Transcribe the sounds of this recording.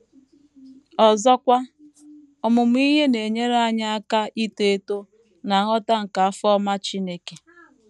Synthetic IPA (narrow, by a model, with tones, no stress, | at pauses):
ɔ˨zɔ˦kʷa˦ | ɔ˨mʊ˨m˦i˦ɦe˦ne˨ɲe˦ɾa˦ɲa˦a˦ka˦ʔi˦te˦e˦to˦ | na˨ɦɔ˦ta˦ŋ̩˨ka˨a˦fɔ˦ma˦t͡ʃi˦ne˦ke˨